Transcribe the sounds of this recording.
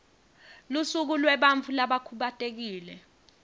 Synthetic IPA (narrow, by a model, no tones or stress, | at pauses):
lusuk̬ulwɛɓaɱvulaɓakʰuɓatʼek̬iːlɛ